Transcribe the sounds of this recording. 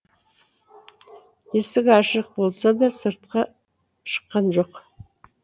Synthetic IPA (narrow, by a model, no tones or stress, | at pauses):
jesɪkɑʃəq̚bolˠsɑd̪ɑsɨɾt̪̚qɑ | ʃə̥qːɑnʒoq